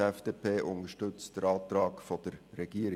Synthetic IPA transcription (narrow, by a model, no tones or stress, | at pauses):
ɛfd̥eːpʰeːʔʊnəʃtɵt͡sd̥əɾɑːt̪ɾɑːkfɔd̥əɾːɛɡ̥iəɾɪ